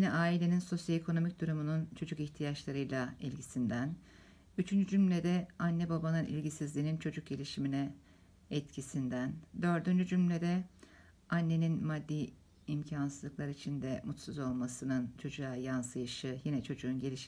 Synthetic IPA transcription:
jinɛʔaːilʲe̞ninso̞sjaekʰo̞no̞mic̚d̪uɾumununt͡ʃʰo̞d͡ʒukiçt̪ʰijat͡ʃlˠaɾɯjlˠaɛlʲɟisind̪æn | yt͡ʃʰynd͡ʒyd͡ʒymlʲed̪ɛanːɛbabanɯnḭlʲɟisizlʲiːnint͡ʃʰo̞d͡ʒuk̚ɟe̞lʲiʃiminɛ | ɛt̪cʰisind̪ænd̪ø̞ɾd̪ynd͡ʒyd͡ʒymlʲed̪ɛ | anːe̞ninmad̪ːiː | mcʰansɯzˠɯklˠaɾɯit͡ʃʰind̪ɛmut̪suzo̞lˠmasɯnɯnt͡ʃʰo̞d͡ʒuaːjansɯjɯʃɯjinɛt͡ʃʰo̞d͡ʒuːnɟelʲiʃ

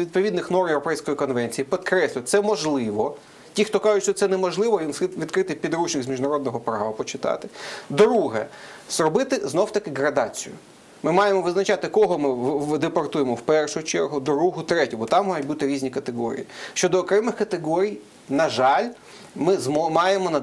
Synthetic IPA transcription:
ʋʲid̪̚pɔʋʲid̪nɪxnɔrmjevɾɔpɛjsʲkɔjikɔnʋɛnʲt͡sʲijipɔd̪kɾɛsʲlʲʊjt̪sɛmɔʒlˠɪʋɔ | tʲixt̪ɔkɑʒʊtʲʃt͡ʃɔt̪sɛnɛmɔʒlˠɪʋɔjʲimʋʲid̪kɾɪt̪ɪpʲid̪ɾut͡ʃnɪɣzʲmʲiʒnɐɾɔd̪nɔɦɔpɾɑʋɐpɔt͡ʃɪt̪ɑ̰t̪ɪ̥d̪ɾuɦɛz̥rɔbɪt̪ɪznɔwt̪ɐkɪɦɾɐd̪ɑt͡sʲijʊ̰ | mɪmɑjemɔʋɪznɐt͡ʃɑt̪ɪkɔɦɔmɪʋd̪epɐrt̪ujemɔwpɛrʃʊt͡ʃɛrɦʊd̪ɾuɦʊt̪ɾɛtʲʊbɔt̪ɑmːɔjʊt̚ʲbut̪ɪɾʲizʲnʲikɐt̪eɦɔ̰ɾʲḭjiʃt͡ʃɔd̪ɔːkɾɛmɪxkɐt̪ɪɦɔɾʲij | nɐʒɑlʲ | mɪzmmɑjemɔnɐ

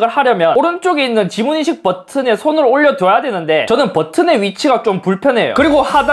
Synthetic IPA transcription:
ɡɯɭhaɾjʌmjʌnoɾɯnt͡ɕ͈oɡe̞inːɯnt͡ɕimuɲiɕʰik̚pʌtʰɯne̞sʰonɯɾoʎːʌdʌjadwe̞nɯnde̞t͡ɕʌnɯnpʌtʰɯne̞ɥit͡ɕʰiɡat͡ɕ͈ompuɭpʰjʌnɦe̞jo̰kɯɾiɡohada

